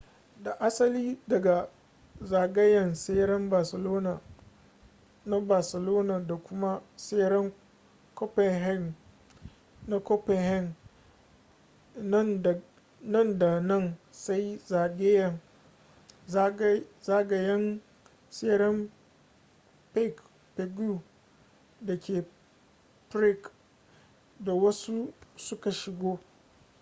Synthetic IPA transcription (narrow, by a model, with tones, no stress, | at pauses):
da˨ʔa˦sɐ˦liː˦dɐ˨ɡa˨ | zaː˨ɡɐ˦jɐ˨nse˦ɽɐ˦mbaː˨sɐ˨loː˦na˨ | na˦baː˨sɐ˨lo˦na˨da˨kʷʊ˦ma˦se˦ɽɐ˦ŋ | kɔ˦pɛ˨ɦɛ˦˨n | na˦kɔ˦pɛ˨hɛ˦˨n˦ | n˨ | nɐ˦nda˨nɐ˦nsa˦jzaː˨ɡʲe˦jɐ˦˨ŋ˦ | za˦ɡa˨jɐ˦n | se˦ɾɐ˦m | pe˦k | pe˨ɡu˦ | da˨kʲeː˨ | pɾɪ˦k | da˨wɐ˦su˦sʊ˦ka˨ʃɪ˨ɡoː˦